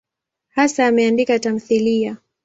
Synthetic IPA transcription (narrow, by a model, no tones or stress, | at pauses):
hasaːmɛandikatam̩θilia